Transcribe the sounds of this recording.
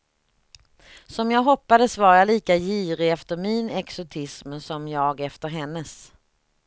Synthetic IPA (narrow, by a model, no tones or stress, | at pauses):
sɔmjɑːɡɦɔpːad̪əsvaɾjaliːkajiːɾɪɛft̪əɾmɪnɛksʊt̪ʰɪsmsɔmjɑːɡɛft̪əɾɦɛnːəs